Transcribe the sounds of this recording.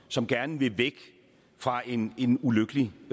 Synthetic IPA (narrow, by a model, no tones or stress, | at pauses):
sɒ̽mɡ̥æɐnəʋe̝ʋeɡ̥ | fʁɑ̈e̝ne̝nuløɡ̥əli